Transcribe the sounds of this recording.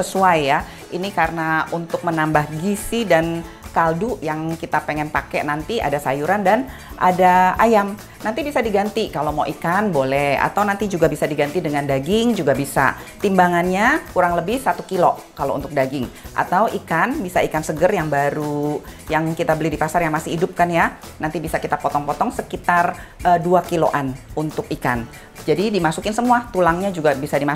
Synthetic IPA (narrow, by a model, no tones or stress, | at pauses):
səsuajːa | ʔinikaɾənaunt̪ʊk̚mənambahɡisidan | kalduʔjaŋkit̪apeŋɛnpakɛnant̪ia̰dasajuɾandan | ʔa̰daajam | nant̪ibisadiɡant̪ikalomawʔikanbolɛha̰t̪awnant̪id͡ʒuɡabisadiɡant̪idəŋandaɡɪŋd͡ʒuɡabisa̰ | t̪imbaŋanɲakuɾaŋləbɪhsat̪ukilokalo̰ʔṵnt̪ʊk̚daɡɪŋʔa̰t̪awʔikanbisaikansəɡərjaŋbaɾujaŋkit̪abəlɪhdipasarjaŋmasɪhidʊp̚kanja | nant̪ibisakit̪apɔt̪ɔŋpɔt̪ɔŋsəkit̪arəduakilo̰ʔanunt̪ʊkika̰n | d͡ʒadidimasukɪnsəmuat̪ulaŋɲad͡ʒuɡabisadima